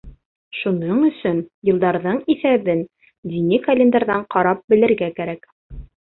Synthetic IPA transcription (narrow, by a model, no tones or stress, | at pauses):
ʃunɤɴɵ̆sɵnjɤ̆lˠd̪ɑɾðɤɴiθæβɘn | d̪inikɐlʲend̪aɾðɑɴqɑɾɑp̚bɘ̆lɘ̆ɾɡækæɾæk